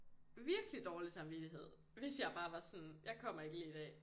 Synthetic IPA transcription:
ʋiɐɡ̥əlid̥ɒːlisɑ̈mʋid̥iɦe̝ð̞̰ˠ | ʋe̝sjɑ̈ɪb̥ɑ̈ːʋɑ̈sɔnjɑ̈ɪkʰɒ̽m̰ɐe̝ɡ̥əliid̥ɛ̰ː

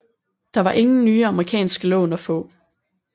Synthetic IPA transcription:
d̥ɑ̈ʋɑ̈ʔe̝ŋn̩nyːəɑ̈məʁikʰɛ̰ːnsɡ̥əlɔ̰̽ːnɒfɔ̰̽ː

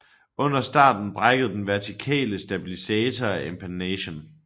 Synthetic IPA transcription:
ɔ̽n̰ɐsd̥ɑ̰̈ːd̥n̩b̥ʁɑɡ̥əð̞̩ˠd̥enʋæɐt͡sʰikʰɛ̰ːləsd̥æb̥ilisɛːt͡sʰɒæʔe̝mpʰænɛɕon

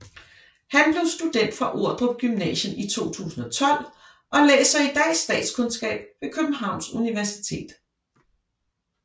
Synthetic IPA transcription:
hænb̥le̝ʊsd̥ud̥en̰d̥fɒʔo̝ɐ̰d̥ʁɔb̥ɡ̥ymnɛ̰ːɕənit͡sʰo̝̰ːt͡sʰṵːsn̩ɒ̽t͡sʰɒ̽l̰ | ʔɒ̽lɛ̰ːsɐid̥æɪsːd̥ɛ̰ːd̥skʰɔ̽nsɡ̥ɛ̰ːb̥̚ʋe̝kʰøb̥m̩ɦɑ̈ʊ̰nsuniʋæɐsit͡sʰe̝̰ːd̥

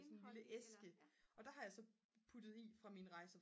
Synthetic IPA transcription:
sɒnenliləʔesɡ̥əʔɒ̽d̥ɑ̈ɦɑ̈jɑ̈ɪsɒ̽ | pʰud̥ð̩ˠifʁɑ̈minʁɑ̈ɪsə

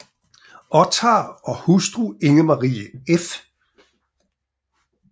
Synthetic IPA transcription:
ʔɒt͡sʰɑɒ̽husd̥ʁue̝ŋəmɑ̈ʁḭːəef

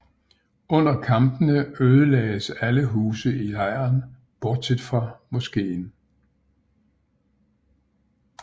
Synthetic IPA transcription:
ɔ̽n̰ɐkʰɑ̈mb̥ənəøːð̞ˠəlɛ̰ːɪəsæləɦuːsəiɑɪ̰ɐn | b̥ɒːd̥̚sʰe̝d̥fɑ̈mɔsɡ̥e̝̰ːn

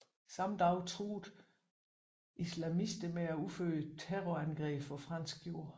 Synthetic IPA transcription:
sɑ̈md̥ɑ̈ʊt͡sʰʁṵːd̥ | ʔislæmisd̥əmeæufø̰ːət͡sʰeʁɔænɡ̥ʁɛ̰ːb̥fɒfʁɑ̈n̰sɡ̥̚jo̝ɐ̰

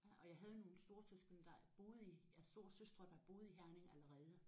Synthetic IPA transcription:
ɒ̽jɑ̈ɪɦæð̞ˠno̝ːn̩sd̥o̝ɐt͡sʰøsɡ̥ønd̥ɑ̈æɐb̥o̝ːð̞̩ˠijæsd̥o̝ɐsøsd̥ʁɐd̥ɑ̈æb̥o̝ːð̞̩ˠiɦæɐne̝ŋæləʁɛːð̞ˠə

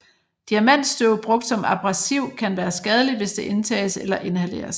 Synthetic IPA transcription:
d̥iæmæn̰d̥sd̥øʊb̥ʁɔ̽ɡ̥̚d̥sɒ̽mɑ̈b̥ʁɑsiʊ̰kʰænʋæːɐsɡ̥ɛð̞ˠəlidʋe̝sd̥e̝ʔe̝nt͡sʰɛ̰ːselɐʔe̝nɦæle̝̰ːɐs

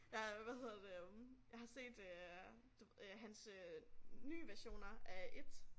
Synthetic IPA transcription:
jɑʋæhe̝ð̰ˠɐd̥e̝jɑ̈ɪhɑ̈se̝̰ːd̥ø | d̥uɦænsøny̰ːʋæɐɕo̝̰ːnɐʔæʔe̝d̥

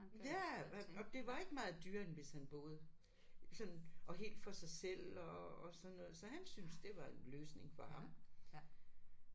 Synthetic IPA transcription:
jæɒ̽d̥e̝ʋɑ̈e̝ɡ̥əmɑ̈ːð̞̩ˠd̥yɐ̰enʋe̝shænb̥ɔ̽ːð̞̩ˠ | sɒ̽nɒ̽ɦe̝̰ːld̥fɒ̽sɑ̈ɪsel̰ɒːsɒ̽nːɔ̽ːð̩ˠsɒ̽hænsynsd̥e̝ʋɑ̈e̝nløːsne̝ŋfɒ̽hɑ̈m

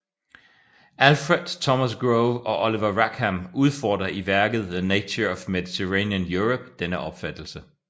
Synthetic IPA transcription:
ʔælfʁed̥ˠt͡sʰɒmæsɡ̥ʁoʊɒ̽ʔɒliʋɐʁæɡ̥hæmuð̞ˠfɒ̰ːd̥ʁɐʔiʋæɐɡ̥ð̞̩ˠðənet͡sʰoɒfmeðˠit͡sʰeʁenjənjuʁob̥̚d̥enəʔɒ̽b̥fæd̥l̩sə

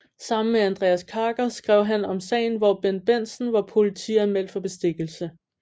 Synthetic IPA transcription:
sɑ̈m̰n̩meænd̥ʁɛːæskʰɑ̈ːɡ̥ɐsɡ̥ʁɛʊ̰ɦænɒ̽msɛ̰ɪnʋɒb̥enb̥en̰sn̩ʋɑ̈pʰo̝lit͡sʰḭːæmel̰fɒ̽b̥e̝sd̥e̝ɡ̥l̩sə

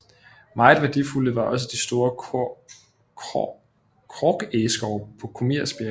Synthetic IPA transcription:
mɑ̈ɪð̩ˠʋæɐd̥ifuləʋɑ̈ʔɒ̽s̬əd̥isd̥o̝ːɐ | kʰʁɒɡ̥esɡ̥ɒʊpʰɒ̽kʰo̝miɐ̰sb̥e

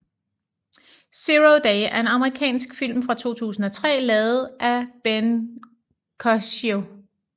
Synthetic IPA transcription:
siʁod̥ɛɪæɐe̝nɑ̈məʁikʰɛ̰ːnsɡ̥fil̰mfʁɑ̈t͡sʰo̝̰ːt͡sʰṵːsn̩ɒ̽t͡sʰʁɛ̰ːlɛːð̩ˠʔæb̥en | kʰɒso

